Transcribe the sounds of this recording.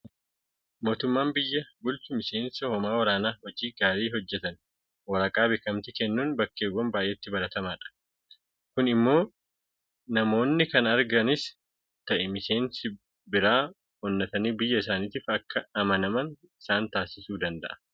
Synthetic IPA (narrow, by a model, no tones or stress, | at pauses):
mo̞ːt̪ʊmːaːmbɪjːɐbʊlt͡ʃʊmɪse̞ːnsɐhɔmaːwɐɾaːnaːhɔd͡ʒiːɡaːɾiːɦɔd͡ʒːɛt̪ɐn | wɐɾɐkʼaːbɪkːɐmt̪ɪkɛnːuːnbɐkːeːwɔmbaːʔeːt̪ːɪbɐɾɐt̪ɐmaːᶑɐ̥ | kʊnɪmːo̞ː | nɐmo̞ːnːɪkɐnɐɾɡɐnɪs | t̪ɐʔɛmɪse̞ːnsɪ | bɪɾaː | ɔnːɐt̪ɐniːbɪjːɐɪsaːniːt̪iːfɐkːɐɐmɐnɐmɐn | ɪsaːnt̪aːsɪsuːd̪ɐnd̪ɐ̰ʔɐ̥